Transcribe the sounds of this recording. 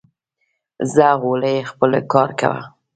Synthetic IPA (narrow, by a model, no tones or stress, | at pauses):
zaɣoləjexpəlkɑɾka̰wa̰